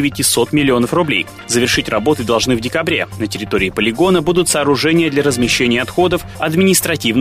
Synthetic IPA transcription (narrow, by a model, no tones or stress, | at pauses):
ɪvʲɪtʲɪso̞t̪mʲɪlʲɪo̞nəfrʊblʲḛj | zəvʲɪrʂɨtʲrɐbo̞t̪ɨd̪ɐlˠʐnɨvdʲɪkɐbɾʲḛnətʲɪɾʲɪt̪o̞ɾʲɪːpəlʲɪɡo̞nəbud̪ʊt̪saːɾʊʐɛnʲɪjəd̪lʲɐɾəzmʲɪɕːenʲɪjəɐt̪xo̞d̪əf | ɐd̪mʲɪnʲɪst̪ɾɐtʲivn